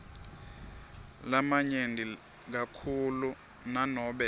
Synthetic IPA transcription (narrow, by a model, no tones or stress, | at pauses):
lamaɲendʱi | k̬akʰulu | nanɔɓɛ